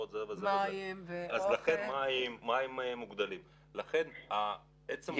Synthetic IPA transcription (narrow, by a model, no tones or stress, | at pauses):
ot̪zevezevezeazlaχenmaimːaemmːuɡd̪alim | laχe̞na | et͡sem